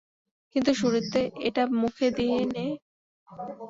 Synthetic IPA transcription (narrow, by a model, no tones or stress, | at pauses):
kint̪uʃuɾit̪ːeʔeʈamukʰed̪iene